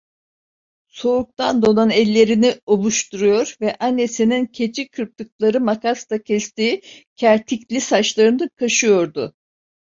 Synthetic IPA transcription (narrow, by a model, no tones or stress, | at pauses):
so̞uk̚t̪ʰand̪o̞nanɛlʲːe̞ɾinio̞bˠuʃt̪uɾujo̞ɾvɛʔanːe̞sinincʰe̞t͡ʃʰikʰɯɾp̚t̪ʰɯklˠaɾɯmakʰast̪ʰacʰɛst̪iːicʰæɾt̪ʰiclʲisat͡ʃlˠaɾɯnɯkʰaʃɯjo̞ɾd̪ʊ